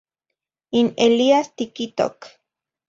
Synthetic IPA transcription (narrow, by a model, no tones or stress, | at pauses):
ineliast̪ikit̪o̰k